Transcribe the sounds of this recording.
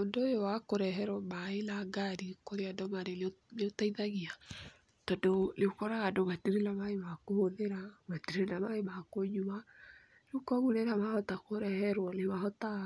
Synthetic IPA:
ondoojowakoɾɛɦɛɾwɔmaelaɡaɾikoɾeadɔmaɾelneotaiðaɣia | tɔdoneokɔɾaɣadoβatiɾenamaemakooðeɾamatiɾenamaemakoɲuma | ɾukɔɣuneɾamahɔtakoɾɛhɛɾwɔnemahɔta

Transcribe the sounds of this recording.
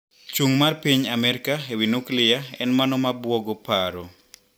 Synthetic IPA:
t͡ʃuŋmarpiɲamɛɾɪkaewinuklɪjaɛ̰nmanɔmabwoɡopaɾo

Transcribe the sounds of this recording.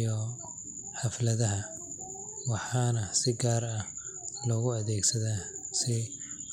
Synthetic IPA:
jɔ | ħɑflɐðɐɦɐ | wɑħɑːnɐsɪɡaːrɐhlɔːɣʊɐðɛːɡsɐðaːsɪ

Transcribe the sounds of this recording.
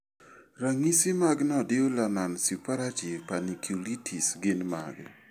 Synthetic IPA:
ɾaŋisimaɡnɔdɪolanansupaɾativpanikʰjulitʰisɡɪnma̰ɡ

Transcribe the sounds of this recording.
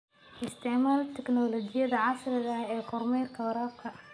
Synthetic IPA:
ʔɪst̪ʰɪʕmaːlt̪ʰɪknɔːlɔd͡ʒɪjɐðaʕɑsɾɪðɐɛːqʊɾmɛːɾkʰɐwɾɑːbkʰɐ

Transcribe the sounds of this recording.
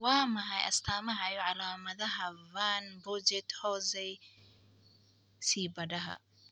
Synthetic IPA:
waːmɐɦɐjʔɐ̰st̪ʰaːmɐɦɐjɔʕɑlaːmɐðɐɦɐvanbʊd͡ʒɛt̪hɔːsɛj | siːbɐdɐɦɐ̰

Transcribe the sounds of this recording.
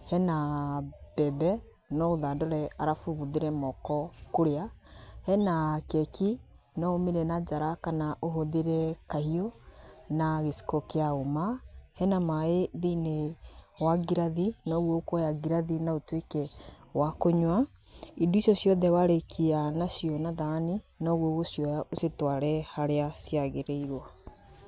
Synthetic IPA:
hɛna | b̥ɛbɛ | nɔoðadɔɾɛaɾafuβuðeɾɛmɔkɔkoɾeahɛnakɛkʰi | nɔomeɾɛnad͡ʒaɾakanaʔoɦoðeɾɛkahiɔnaɣesi̥kɔkeaomahɛnamaeðinewaɡiɾaðinɔɣokɔjaɡiɾaðinaotwekɛwakoɲwaiduisjɔsjɔðɛwaɾekʰianasiɔnaðaninɔɣwoɣosjɔjaʔosetwaɾɛhaɾeasjaɣeɾeiɾwa

